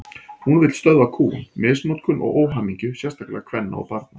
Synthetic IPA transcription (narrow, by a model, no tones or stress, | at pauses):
hunvɪt̪lst̪œðvakʰṵːnmɪːsmot̪kʰʏnʔɔ̰ɣoːwɦamiɲcʏsjɛst̪akla̰ɣkʰvɛnːa̰ɔ̰paɾt̪na